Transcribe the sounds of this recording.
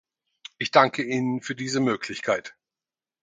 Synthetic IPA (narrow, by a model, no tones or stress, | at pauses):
ʔɪçd̥aŋkʰəʔiːnənfyːɐdiːzəmøːkʰlɪçkʰaɪt